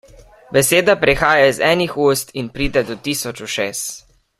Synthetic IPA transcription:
bɛseːd̪apɾɛxaːjaizɛːnixust̪inpɾiːd̪ɛd̪ɔt̪iːsɔt͡ʃuʃeːs

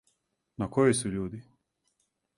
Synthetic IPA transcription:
nakojosuʎuːd̪i

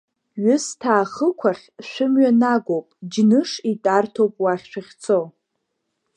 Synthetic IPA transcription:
ɥʊstʰaːχəkʷʰaχʲʃʷᶣʊmɥanaɡʷowpʼd͡ʒnɨʂitʼartʰowpʼwaχʲʃʷᶣaχʲt͡sʰo

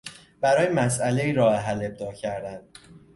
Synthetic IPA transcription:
b̥æɾɒːjemæsʔæle̞iːɾɒːeɦæle̞b̚d̪ɒːcʰæɾd̪ænd̪̥̚

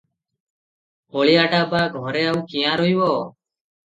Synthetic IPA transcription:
oɭiaʈabaɡʱɔɾɛawkijãɾojwɔ

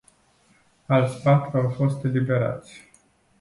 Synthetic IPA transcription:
alt̪sʲpat̪ɾuawfo̞st̪e̞libe̞ɾa̰t̪sʲ

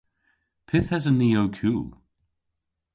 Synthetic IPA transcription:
pʰɪθhəzənioʊkʰuː

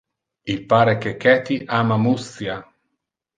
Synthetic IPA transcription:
ilpaːɾek̟ekːɛt̪iʔaːmamusja

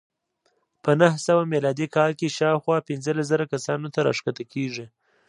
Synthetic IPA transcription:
pənəɦsawamelɑd̪ikɑlkeʃɑwxwɑpɪnzəlaszəɾakasɑnot̪aɾɑ̰ʂkat̪akʰeʐi

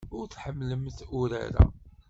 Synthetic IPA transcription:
ʊɾθħəmːləmθʊɾa̰ɾa

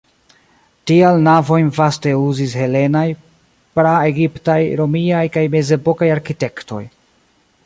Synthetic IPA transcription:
tialnavo̞jnvaste̞uzishe̞le̞naj | pɾae̞ɡiptajɾo̞miajkajme̞ze̞bo̞kajaɾkite̞kto̞̰j

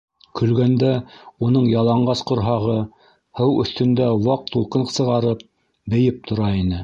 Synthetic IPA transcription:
kʰɵ̆lɡænd̪æunɤɴjɑlˠɑɴɢɑsqŏɾɦɑʁɤ | hɤwɵ̆θt̪ɵ̆nd̪æwɑq̚t̪ulˠqɤnsɤ̆ʁɑɾɤp̚ | bɘ̆jɘp̚t̪ʰŏɾɑinɘ

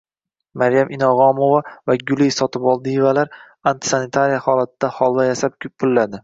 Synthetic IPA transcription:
maɾjamʔɪnɒʁɒmovavaɡʲʊlisɒt̪ʰɪpɒlˠd̪ivalaɾ | ant̪ʰɪ̥sanɪt̪ʰaɾijahɒlat̪̚d̪̥ahɒlˠvajasap̚pʰʊlːad̪ɪ

